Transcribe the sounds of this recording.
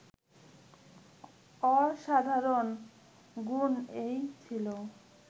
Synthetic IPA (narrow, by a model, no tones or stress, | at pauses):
ɔʃad̪ʱaɾon | ɡunejt͡ɕʰilo